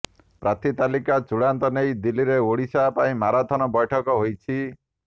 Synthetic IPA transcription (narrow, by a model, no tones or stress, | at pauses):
pɾat̪ʰit̪alikat͡ʃuɽant̪ɔnejd̪ilːiɾeoɽisapaĩmaɾad̪ʱɔnɔbɔjʈʰɔkɔɦojt͡ʃʰi